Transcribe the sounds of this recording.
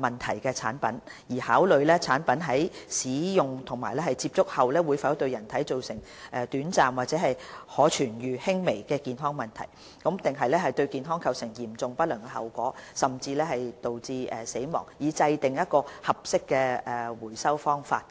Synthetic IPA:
mɐ˨nt̪ʰɐ̰˨˩jkɛː˧t͡sʰa̰ː˨˥npɐ˨˥njiː˨˩haː˨˥wlɵ˨˧ɥlɛː˥t͡sʰaː˨˥npɐ˨˥nɦɐ˨˥jsiː˨˥jʊ˨ŋt̪ʰʊ˨˩ŋmaː˨˩jlɛ˥hɐ˨jt͡siː˧p̚t͡sʊ˥k̚hɐ˨wlɛː˥wuː˨˧jfaː˧˥t̪ɵ˧ɥjɐ˨˩nt̪ʰɐ˨˥jt͡so˨wsɪ˨˩ŋ | ʔɛː˨t̪yː˨˥nt͡saː˨mwaː˨t̚t͡sɛː˨˥ɦɐ˨jhɔː˨˥t͡ʃʰyː˨˩njyː˨hɪ˥ŋme˨˩jkɛː˧kiː˨˩nɦɔː˥ŋmɐ˨nt̪ʰɐ̰˨˩j | kɐ˨˥mt̪ɪ˨ŋɦɐ˨jlɛː˥hɐ˨jt̪ɵ˧ɥkiː˨nɦɔː˥ŋkʰɐ˧wsɪ˨˩ŋjiː˨˩mt͡sʊ˨ŋpɐ˥t̚lœː˨˩ŋkɛ˧ɦɐ̰˨wkʷɔː˨˥sɐ˨mt͡siː˧lɛː˥hɐ˨jt̪o˨wt͡siː˧ʔɛ˨se˨˥jmɔ̰ː˨˩ŋjiː˨˧t͡sɐ˧jt̪ɪ˨ŋjɐ˥t̚kɔː˧hɐ˨p̚sɪ˥kːɛː˧ɛ˨wuː˨˩jsɐ˥wfɔː˥ŋfaː˧t̚

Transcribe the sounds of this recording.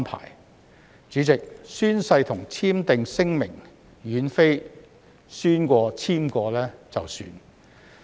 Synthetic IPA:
npʰa̰ː˨˩j | t͡ʃyː˨˥t͡sɪ˨k̚syː˥nsɐ˧jt̪ʰʊ˨˩ŋt͡sʰiː˥mt̪ɪ˨ŋsɪ˥ŋmɪ˨˩ŋ | ɥyː˨˥nfe˥j | syː˥nkʷɔː˧t͡sʰiː˥mkɔː˧lɛː˥t͡sɐ˨wsy̰ː˧n

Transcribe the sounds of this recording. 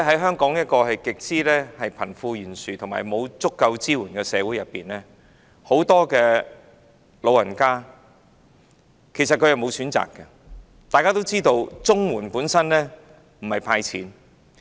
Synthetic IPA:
ɦɐ˨˥jɦœː˥ŋkɔː˨˥ŋjɐ˥t̚kɔː˧hɐ˨jkɪ˨k̚siː˥lɛː˥hɐ˨jpʰɐ˨˩nfuː˧jyː˨˩nsyː˨˩t̪ʰʊ˨˩ŋma̰ː˨˩jmo˨˧wt͡sʊ˥kːɐ˧wt͡siː˥wuː˨˩nkɛː˧sɛː˨˧wuː˨˥jɐ˨pːiː˨nlɛː˥ | ho˨˥wt̪ɔː˥kɛː˧ | lo˨˧wɐ˨˩nkaː˥ | kʰe˨˩jsɐ˨t̚kʰɵ˧jɐ˨˩wmo˨˧wsyː˨˥nt͡sa̰ː˨kːɐ˧ | t̪aː˨jkaː˥t̪o˥wt͡siː˥t̪o˧wt͡sʊ˥ŋwuː˨˩npuː˨˥nsɐ˥nlɛː˥ | m̩˨˩hɐ˨˩jpʰaː˧jt͡sʰḭː˨˥n

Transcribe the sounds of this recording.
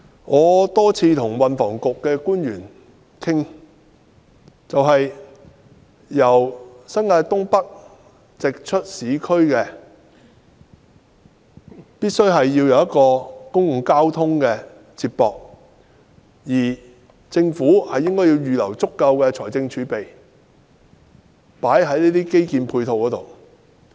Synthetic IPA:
ŋɔː˨˧t̪ɔː˥t͡sʰiː˧t̪ʰʊ˨˩ŋwɐ˨nfɔː˨˩ŋkʊ˨kːɛː˧kuː˥njyː˨˩n | kʰɪ˥ŋ | t͡sɐ˨wɦɐ˨j | jɐ˨˩wsɐ˥nŋaː˧jt̪ʊ˥ŋpɐ˥k̚ | t͡sɪ˨k̚t͡ʃʰɵ˥t̚siː˨˥kʰɵ˥ɥkɛː˧ | piː˥t̚sɵ˥ɥɦɐ˨jːiː˧wjɐ˨˧wjɐ˥t̚kɔː˧kʊ˥ŋkʊ˨ŋkaː˥wt̪ʰʊ˥ŋkɛː˧ | t͡sʰi˧t̚pɔː˨k̚ | jiː˨˩ | t͡sɪ˧ŋfuː˨˥hɐ˨jːɪ˥ŋkɔː˥jiː˧wjyː˨lɐ˨˩wt͡sʊ˥kːɐ˧wkɛː˧t͡ʃʰɔː˨˩t͡sɪ˧ŋt͡ʃʰyː˨˥pe˨j | paː˨˥jɦɐ˨˥jniː˥t̪iː˥ke˥jkiː˨˧npʰuː˧jt̪ʰo˨wkɔː˨˥t̪o̰˨w

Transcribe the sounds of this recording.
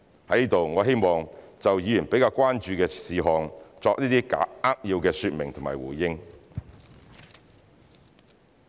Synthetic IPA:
hɐ˨˥jniː˥t̪o˨wŋɔː˨˧ɦe˥jmɔː˨ŋt͡sɐ˨wjiː˨˧jyː˨˩npe˨˥jkaː˧wkʷaː˥nt͡ʃyː˧kɛː˧siː˨˧ɦɔː˨ŋt͡sɔː˧k̚niː˥t̪iː˥ka̰ː˨˦˥aː˥k̚jiː˧wkɛː˧syː˧t̚mɪ˨˩ŋt̪ʰʊ˨˩ma̰ː˨˩jwuː˨˩jɪ˥ŋ

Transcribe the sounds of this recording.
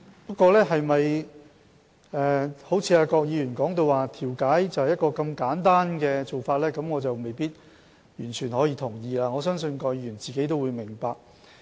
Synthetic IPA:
pɐ˥t̚kːwɔː˧lɛː˥ɦɐ˨jmɐ˨j | ʔɛː˨˩ho˨˥wt͡sʰiː˧aː˧kɔː˧k̚jiː˨˧jyː˨˩nkɔː˨˥ŋt̪o˧waː˨t̪ʰiː˨˩wkaː˨˥jt͡sɐ˨˩whɐ˨jɐ˥t̚kɔː˧kɐ˧mkaː˨˥nt̪aː˥nkɛː˧t͡so˨wfaː˧t̚lɛː˥kɐ˨˥mŋɔː˨˧t͡sɐ˨wme˨jpiː˥t̚ | jyː˨˩nt͡ʃʰyː˨˩nhɔː˨˥jiː˧t̪ʰʊ˨˩ŋjiː˨˧laː˧ŋɔː˨˧s̬œː˥ŋsɵ˧nkɔː˧k̚jiː˧jy˨˩nt͡siː˨ke˨˥jt̪̬o˥wuː˨˧jmɪ˨˩ŋpaː˧k̚

